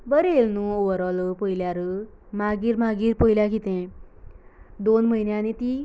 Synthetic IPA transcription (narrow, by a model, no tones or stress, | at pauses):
bəɾelnuoʋəɾɔləpəiljaɾə | maɡiːɾmaɡiːɾpəjljakit̪ɛ̃ | d̪onm̤əjnjanit̪i